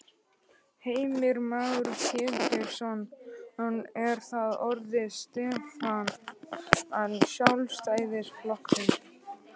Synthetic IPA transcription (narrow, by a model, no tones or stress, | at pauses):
heːjmɪɾmaːwɾcʰɪːpɪɾsɔnhanɛɾ̥θaðɔɾðɪst̪ɛfan | ansjawlst̪aːjðɪsflɔhknɪn